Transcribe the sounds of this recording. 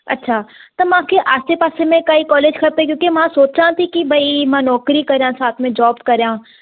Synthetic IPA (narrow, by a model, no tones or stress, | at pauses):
ɐ̰tːʃʰaː | t̪ɐmãːkʰeʔaːst̪epaːsemẽkaːikɔːleːd͡ʒkʰɐpekjõːkemãsoːt͡ʃãːt̪ʰikibʱɐimãːnɔːkɾikɐɾjãːsaːt̪ʰmẽd͡ʒɔːbkɐɾjãː